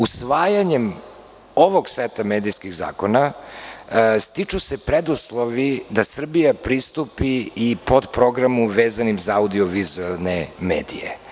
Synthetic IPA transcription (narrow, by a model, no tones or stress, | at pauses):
usʋaːjaɲem | o̞ʋo̞ɡset̪amed̪ijskiɣza̰ːkona | st̪it͡ʂusepɾɛd̪uslˠo̞ʋid̪asr̩bijapɾist̪upiːpo̞d̪pɾo̞ɡɾamuʋeːzanimzaaud̪io̞ʋizualˠnemḛːd̪ḭjḛ